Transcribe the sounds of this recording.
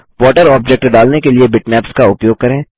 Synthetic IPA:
ʋɔːʈəɾɔːb̚d͡ʒɛːk̚ʈɖaːlnekeliebɪʈmɛːpskaʊpjoːɡ̚kɐɾẽː

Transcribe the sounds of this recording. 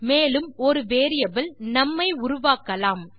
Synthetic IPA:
meːlɯmɔɾɯʋeːɾɪjɐbɪlnɐmːɐɪʊɾʊʋaːkɐlaːm

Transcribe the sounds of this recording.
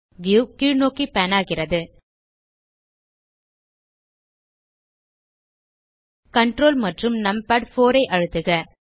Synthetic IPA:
ʋjuːkiːɻnoːkipɛnaːɣɪrɐðɯ | kɐɳʈɾoːlmɐʈrɯmnɐmpɐɖfoːɾɐɪʔɐɻɯt̪ːɯɣɐ

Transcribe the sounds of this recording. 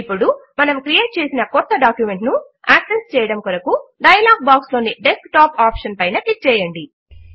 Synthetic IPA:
ipːuɽumɐnɐmkɾije̞ːʈ̚t͡ʃe̞ːsinɐkɔt̪ːɐɖaːkjume̞ɳʈnu | aːksest͡ʃɛːjɐɽɐmkuɾɐkuɖɐjɐlaːɡ̚baːkslo̞ːniɖeskʈaːpaːpʂɐnpɐjnɐʈik̚t͡ʃɛːjɐɳɖi

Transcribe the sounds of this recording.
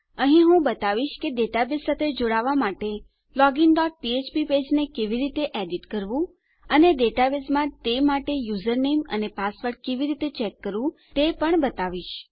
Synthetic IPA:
əɦĩɦũbət̪aʋiʃkeɖeʈabesːat̪ʰed͡ʒoɽaʋamaʈe | lɔɡiŋɖɔʈ̚piet͡ʃpiped͡ʒnekeʋiɾit̪eʔɛɖiʈkəɾʋũ | əneɖeʈabesmãt̪emaʈejuzəɾnemə̰nepasʋəɾʈ̚keʋiɾit̪et͡ʃekːəɾʋũ | t̪epəɳbət̪aʋiʃ

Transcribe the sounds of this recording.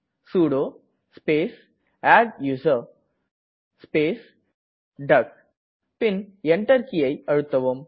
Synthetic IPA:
suːɽoː | speːs | aːɖjuːsɐɾ | speːs | ɖɐk | pɪnɛɳʈɐɾkɪjɐɪɐɻɯt̪ːɐʋɯm

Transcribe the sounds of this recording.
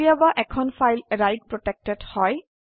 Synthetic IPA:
ijabaʔɛkʰɔnfʰajlɹajd̚pɹɔtɛk̚tɛdhɔj

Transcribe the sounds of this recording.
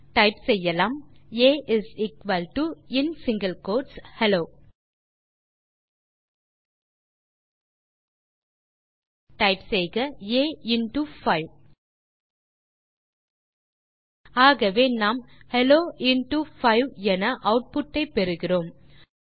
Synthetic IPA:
ʈɐɪpsɛjːɐlaːmeːʔɪsɪkʋɐlʈuɪnsɪŋɡɐlkoːʈshɛloː | ʈɐɪpsɛjɣɐeːɪnʈufɐɪʋ | aːɣɐʋeːnaːmhɛloːɪnʈufɐɪʋɛnɐʔɐʊʈ̚pʊʈːɐɪpɛɾɯɣɪroːm

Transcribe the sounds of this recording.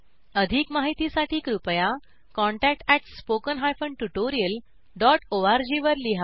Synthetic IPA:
əd̪ʱiːkmaɦit̪isaʈʰiːkɾupja | kɔ̃ɳʈæk̚ʈæʈspokənɦajfəɳʈuʈoɾiəl | ɖɔʈoaɾd͡ʑiʋəɾliɦa

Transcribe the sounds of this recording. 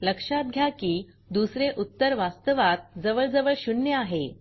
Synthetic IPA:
ləkʂat̪̚ɡʱjakiː | d̪usɾeʔut̪ːəɾʋast̪əʋat̪̚d͡zəʋəɭd͡zəʋəɭɕunːjəaɦe

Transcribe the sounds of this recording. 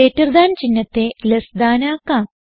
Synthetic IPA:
eːtːɐrd̪aːnt͡ɕinːɐt̪ːelɐsd̪aːnaːkːaː

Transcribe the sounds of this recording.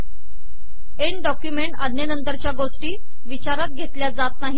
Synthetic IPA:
eɳɖɔkjumeɳʈad̪ʱnjənənt̪əɾt͡ɕjaɡosʈiː | ʋit͡ɕaɾat̪̚ɡʱet̪ljad͡zat̪̚naɦi

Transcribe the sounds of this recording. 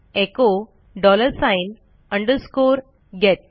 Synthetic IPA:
eko | ɖɔləɾsãin | əɳɖəɾskoɾ | ɡet̪̚

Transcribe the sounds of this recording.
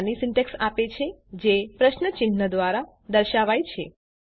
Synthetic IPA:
nisɪɳʈeksapet͡ʃʰed͡ʒepɾəʃnət͡ʃɪnːəd̪ʋaɾa | d̪əɾʃaʋajt͡ʃʰe

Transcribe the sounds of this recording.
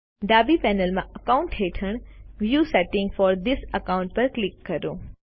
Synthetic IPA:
ɖ̪aːbipɛːnəlmãʔəkaʊ̃ɳʈɦeːʈʰəɳ̃ʋjuːsɛʈɪ̃ŋɡfɔːɾd̪ɪsəkaʊ̃ɳʈ̚pɐɾklɪkːɐɾoː

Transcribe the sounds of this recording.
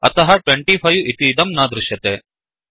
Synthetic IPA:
ɐ̰t̪ɐɦɐʈweɳʈiːpʰɐjuʔit̪iːd̪ɐmnaːd̪ɾɪʃjɐt̪eː

